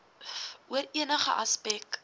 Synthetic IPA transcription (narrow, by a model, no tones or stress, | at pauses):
uəɾiənəχə̰ʔɐspɛk